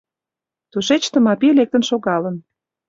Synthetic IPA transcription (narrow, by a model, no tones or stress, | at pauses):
t̪uʃet͡ɕt̪ə̆mɑpilek̚t̪ə̆nʃoɣɑlən